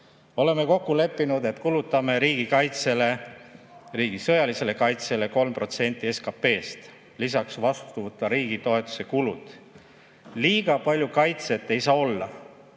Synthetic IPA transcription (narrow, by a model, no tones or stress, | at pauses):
o̞le̞meko̞kːule̞pːinud̪e̞t̪kulut̪ːˑɑme̞ɾiːɡ̥ikɑjt̪se̞le̞ | riːɡ̥isɤ̞jɑlise̞le̞kɑjt̪se̞le̞ko̞lmpro̞t̪se̞nʲt̪ːˑie̞skɑpːe̞ːst̪ | lis̬ɑksvɑst̪uvɤt̪ːɑɾiːɡit̪o̞e̞t̪ːˑu̥se̞kulṵd̪̥ | liːɡ̥ɑpɑlʲjukɑjt̪set̪ːe̞jsɑːo̞lːɑ